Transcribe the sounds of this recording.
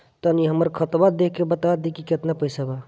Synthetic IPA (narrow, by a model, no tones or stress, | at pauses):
t̪əniɦəməɾkʰət̪bad̪ekʰːebət̪ad̪ikiket̪napəɪsaba